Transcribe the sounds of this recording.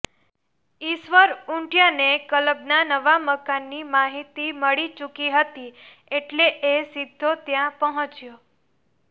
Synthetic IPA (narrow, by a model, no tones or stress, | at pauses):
iʃʋəɾuɳʈjanekələbnanəʋaməkanːimaɦit̪iməɭit͡ʃukiɦət̪i | eʈleʔesid̪ʱːot̪jãpəɦə̃t͡ʃjo